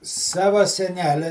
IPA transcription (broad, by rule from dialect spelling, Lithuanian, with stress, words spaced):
ˈsɑːʋɐ sʲɛˈnʲæːlʲɛ